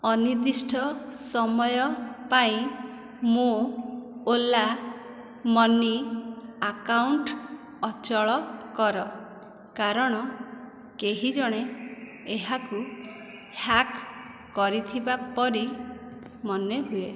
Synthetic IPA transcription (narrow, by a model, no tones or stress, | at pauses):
ɔniɾd̪isʈʰɔsɔmɔjɔpaĩ | mo | ola | mɔniakawɳʈ | ɔt͡ʃɔɭɔkɔɾɔ | kaɾɔɽ̃ɔ | keɦid͡ʒɔɽ̃e | eɦaku | hak | kːɔɾit̪ʰibapɔɾi | mɔneɦue